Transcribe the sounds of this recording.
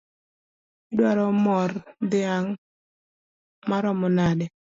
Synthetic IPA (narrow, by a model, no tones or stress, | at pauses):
ɪdwaɾɔmɔrd̪ɪaŋ | maɾɔmɔnadɛ